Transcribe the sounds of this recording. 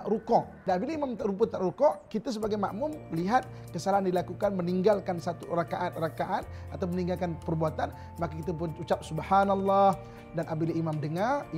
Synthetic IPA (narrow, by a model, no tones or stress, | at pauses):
aʔɾukɔʔdaabiliimamɾup̬ʊt̪ːaʔɾukɔʔkit̪as̬əbaɡajma̰ʔmʊmliɦat̪̚ | kəsalaɦandilakukanməniŋɡalkansat̪urakaʔat̪̚rakaʔat̪̚ | at̪awməniŋɡalkanpərbuat̪an | makakit̪apuut͡ʃap̚subhanalːɑh | danʔabiliimamdəŋar